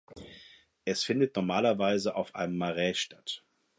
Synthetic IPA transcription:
ʔɛsfɪndətnɔɐmaːlɐvaɪzəʔaʊfʔa̰ɪnəmːaʁɛːʃtʰḁt

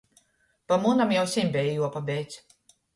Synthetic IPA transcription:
pamunamjawsimʲbʲɛjjuɔpabɛjt̪s

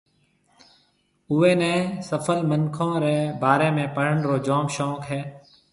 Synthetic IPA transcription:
uːeːnẽːsəfʰəlmənkʰõːɾeːbaːɾẽːmẽːpəɽəɳɾoːd͡ʒɔːmʃɔ̃ːkɦɛː

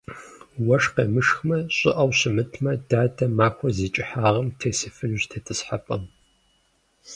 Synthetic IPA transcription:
wɐʂqeːmɨʂxmɐɕʼɪ̰ʔɐwɕɪmɨtʰmɐdaːdɐmaːkʷʰɔziːt͡ʃʼɪħaːʁɐmtʰeːsɨfɨnʑtʰɐtʰɨsħapʼɐm

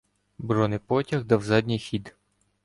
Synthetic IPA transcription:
bɾɔnɪpɔtʲɐɣd̪ɐwzɑd̪ʲnʲijxʲid̪

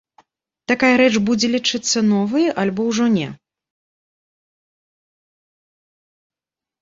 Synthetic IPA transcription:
t̪akajɐɾɛt͡ʂbud͡zʲɛlʲit͡ʂɨt̪sːɐnɔvɨjɛʔalʲbɔwʐɔnʲɛ

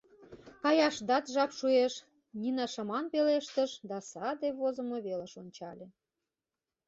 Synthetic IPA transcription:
kɑjɑʃd̪ɑt̪ʒɑpʃueʃ | nʲinɑʃɑmɑnpeleʃt̪ə̆ʃd̪ɑsɑd̪eβozə̆mŏβeləʃonʲt͡ɕɑlʲe

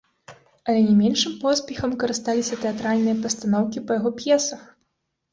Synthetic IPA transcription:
ɐlʲɛnʲɛmʲɛnʂɨmpɔsʲpʲɛxɐmkɐɾɨst̪alʲisʲɐt̪ɛat̪ɾalʲnɨjɐpɐst̪anɔwkʲipɐjaɣɔpʲjɛsɐx

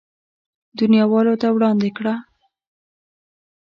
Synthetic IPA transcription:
d̪unjɑwɑlot̪awɽɑnd̪ekɽa

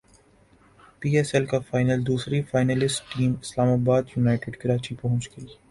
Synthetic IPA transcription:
piːɛsɛlkafaːɪnəld̪uːsɾifaːɪnəlɪsʈʈiːmɪslaːmaːbaːd̪jʊnaːɪʈɪɖkɐɾaːt͡ʃipɐɦʊ̃t͡ʃɡɐi

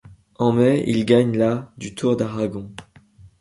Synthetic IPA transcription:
ɑ̃mɛḭlɡaɲlad̪yt̪ʰuʁd̪aʁaɡɔ̃

